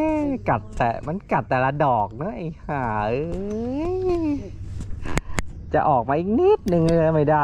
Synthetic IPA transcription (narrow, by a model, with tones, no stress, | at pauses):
ka˨˩t̪̚t̪ɛ˨˩ma˧˥˨nka˨˩t̪̚ːɛː˨˩laː˧dɔː˨˩k̚nɯ˧˥ʔa˧˩jhaː˩˦˧ | j | t͡ɕa̰˨˩ʔɔː˨˩k̚maː˧ʔi˧ŋ̚niː˦˥t̪̚nɯ˧ŋlɯ˧əma˥˩jda˧˩